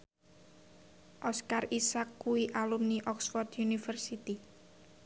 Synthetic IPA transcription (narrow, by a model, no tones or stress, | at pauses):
ʔɔskarisakːuwiʔalumniʔɔksfɔrt̪junifərsit̪i